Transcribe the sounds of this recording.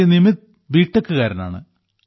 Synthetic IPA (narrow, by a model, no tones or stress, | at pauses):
inimit̪ | ʋiːʈːekːɨkaːɾɐna̰ːɳɨ̰